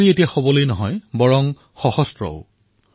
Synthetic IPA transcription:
ɹietijaxobɔlojnɔɦɔjbɔɹɔŋ | xɔhɔstɹɔ̰ʊ

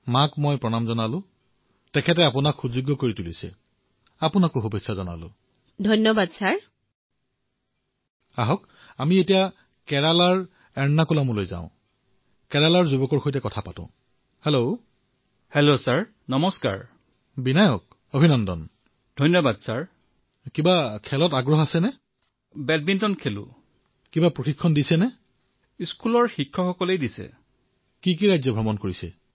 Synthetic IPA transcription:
makmɔjpɹɔnamzɔnalʊ̃ | tɛkʰɛt̬ɛapʊnakxuzuɡɔkoɹitulisɛ̰ | apʊnakoxobisazɔna̰lʊ̰̃ | dʱɔjnɔbadsaɹ | aɦɔk | amietija | kɛɹalaɹ | ɛɹnːakulamulojzã̰ʊ̃ | kɛɹalaɹzubɔkɔɹxojtɛkɔtʰapatʊ̰̃ | helo | helosaɹ | nɔmɔska̰ɹ | binajɔk̚ | obʱinɔndɔ̰n | dʱɔjnjɔbadsaɹ | kibakʰɛlɔtaɡɹɔɦasɛnɛ | bɛt̚bintɔnkʰelʊ̰ | kibapɹoxikʰːɔndisɛnɛ | iskulɔɹxikʰːɔxɔkɔlejdisɛ̰ | kik̬iɹajzɔbʱɹɔmɔnkoɹisɛ̰

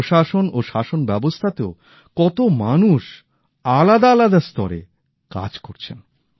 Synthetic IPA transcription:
ʃaʃonoʃaʃonbɛbost̪ʰat̪eo | kɔt̪omanuʃ | alad̪aalad̪ast̪ɔ̰ɾḛ | ka̰d͡ʑkoɾt͡ɕʰen

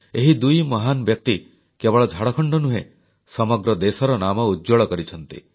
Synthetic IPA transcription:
eɦid̪ujmɔɦanɔbjɔk̚t̪i | kebɔɭɔd͡ʒʱaɽɔkʰɔɳɖɔnuɦe | sɔmɔɡɾɔd̪esɔɾɔnamɔudd͡ʒoɭɔkɔɾit͡ʃʰɔnt̪ḭ

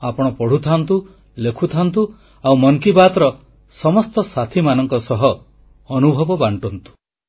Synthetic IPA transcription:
apɔɽ̃ɔpɔɽ̤ut̪ʰant̪u | lekʰut̪ʰant̪u | awmɔŋkibat̪ɾɔ | sɔmɔst̪ɔsat̪ʰimanɔŋkɔsɔɦɔː | nubʱɔbɔbaɳʈɔnt̪u̥

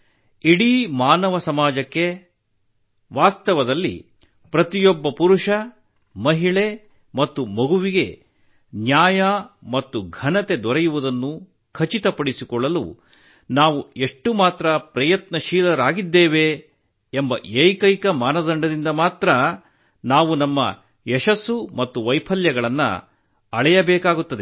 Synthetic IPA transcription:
iɽimaːnɐʋɐsɐmaːd͡ʒɐkːe̞ | ʋaːst̪ɐʋɐd̪ɐlːḭ | pɾɐt̪ijɔbːɐpuɾuʂɐ | mɐɦiɭe | mɐt̪ːumɐɡuʋiɡe̞ | njaːjɐmɐt̪ːuɡʱɐnɐt̪e̞d̪ʋɔɾejuʋud̪ɐnːu | kʰɐt͡ʃit̪ɐpɐɽisikɔɭːɐlṵ | naːʋue̞ʂʈːumaːt̪ɾɐpɾɐjɐt̪nɐʃiːlɐɾaːɡid̪ːeːʋeː | mbɐʔeːjkɐjkɐmaːnɐd̪ɐɳɖɐd̪ind̪ɐmaːt̪ɾɐ | naːʋunɐmːɐ̰ | jɛʃɐsːumɐt̪ːuʋɐjpʰɐljɐɡɐɭɐnːɐ̰ | ɐɭɛjɐbɛːkaːɡut̪ːɐd̪e̞

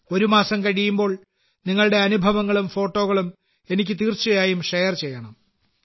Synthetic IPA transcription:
o̞ɾumaːsɐmkɐɽijumbo̞ːɭ | niŋːɐɭɽe̞ɐnubʱɐʋɐŋːɐɭumfo̞ːʈːo̞ːɣɐɭum | e̞nikʲːɨt̪iːrt͡ɕːujaːjumʂejɐrt͡ɕe̞jːɐɳɐm

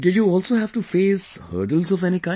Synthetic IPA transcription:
ɖɪd͡ʒjuɔːlsoːɦæʋʈufeːs | hə̰ːɾɖəlzɔʋɛñikãɪ̃

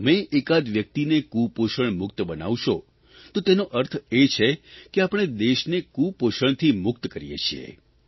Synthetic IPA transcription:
əmeʔekad̪ʋjək̚t̪inekupoʃəɳmʊk̚t̪bəna̰ʋʃo | t̪ot̪enoʔəɾt̪ʰet͡ʃʰekeapəɽ̃ed̪eʃnekupoʃəɳt̪ʰimʊk̚t̪kəɾijḛt͡ʃʰiḛ

